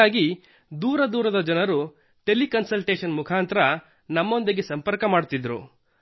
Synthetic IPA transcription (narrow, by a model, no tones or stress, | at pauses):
aːɡi | d̪uːɾɐd̪uːɾɐd̪ɐd͡ʒɐnɐɾu | ʈe̞likɐnsɐlʈeːʃɐnmukʰaːnt̪ɾɐ | nɐmːo̞nd̪iɡe̞sɐmpɐɾkɐmaːɽt̪id̪ɾṵ